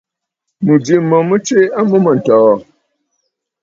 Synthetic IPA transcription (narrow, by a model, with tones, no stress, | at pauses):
mɨ˨d͡ʒi˨˦mə˨mə˦t͡ʃe˦a˦mə˦mə˨n̩˨tɔ˨wɔ˨